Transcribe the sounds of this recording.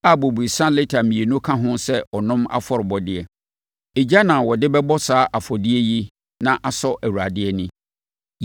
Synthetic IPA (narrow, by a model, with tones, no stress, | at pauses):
a˦˨bo˨bu˨i˨sã˦lɪ˦tʰa˨mĩ˨e˨nʊ̃˦kʰã˦ɦʊ̃˦sɛ˦ɔ˨nʊ̃˦ma̰˦fɔ˨ɾɪ˨bɔ˨dɪ˦ɛ˨ | e˨d͡ʑa˦nã˨wɔ˨dɪ˦bɛ˦bɔ˦saː˨˦ʔa˨fɔ˨dɪ˦ɛ˦ji˦ | nã˦ʔa˨sɔ˦ʔæ˨wu˨ɾa˨dɪ˦ɛ˦nɪ̃˦